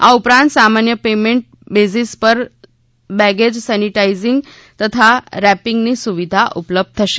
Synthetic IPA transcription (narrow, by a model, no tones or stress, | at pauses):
a̰upɾãnt̪samanjəpemeɳʈ̚bed͡zispəɾ | bæɡed͡ʑsæniʈaid͡ziŋɡ | t̪ət̪ʰaɾæpiŋɡniːsuʋid̪ʱaʔupləb̚d̪̚t̪ʰəɕe